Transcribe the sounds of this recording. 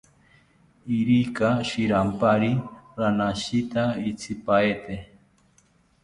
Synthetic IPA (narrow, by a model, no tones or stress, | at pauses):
iɾikaʃiɾampaɾiɾanaʃit̪ait͡sʰipaet̪e